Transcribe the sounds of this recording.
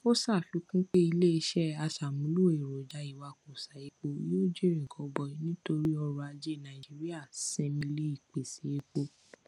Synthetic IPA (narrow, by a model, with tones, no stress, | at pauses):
o˦sa˦˨fi˨˧˦kũ˦k͡pe˦i˧le˦i˧ʃɛ˦a˧sa˨mũ˨˦lu˦˨e˨ɾo˨d͡ʒa˨˧˦i˨wa˧ko˨sa˨e˨˦k͡po˧˦o˦d͡ʒe˦˨ɾĩ˨ɡɔ˨˦bɔ˧˨˦nĩ˦to˧ɾi˦ɔ˧ɾɔ˧a˧d͡ʒe˦˨nã˨ĩ˨d͡ʒi˨˦ɾi˦a˦˨sɛ̃˧mĩ˧le˦i˦˨k͡pe˨si˨˦e˦˧k͡po˧